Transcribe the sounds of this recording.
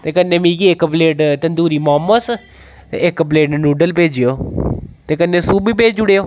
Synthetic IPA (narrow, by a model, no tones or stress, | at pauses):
t̪eːkənːeːmĩːkiːɪkːbleːʈt̪ənd̪uːɾiːmɔːmːəs | ɪkːbleːʈnːnuːɖəlpeːd͡ʒijoːt̪eːkənːeːsuːbiːpeːd͡ʒd͡ʒʊɽeːoː